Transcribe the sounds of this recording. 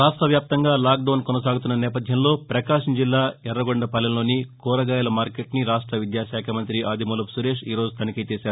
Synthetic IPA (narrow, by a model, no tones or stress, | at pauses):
ɾaːʂʈɾɐʋjaːp̚t̪ɐŋɡaːlaːk̚ɖɐːnkɔnɐsaːɡut̪unːɐnɛːpɐd̪ʱjɐmlo̞ːpɾɐkaːʂɐɲd͡ʒilːaːɛrːɐɡoɳɖɐpɐlɐnlo̞ːnikɔːɾɐɡaːjɐlɐmaːɾkeʈniɾaːʂʈɾɐʋid̪jaːʃaːkʰɐmɐnt̪ɾiʔaːd̪ʱimulɐpsuɾe̞ːʂiːɾo̞ːd͡zut̪ɐnikɐt͡ʃ̪eːsaːɾu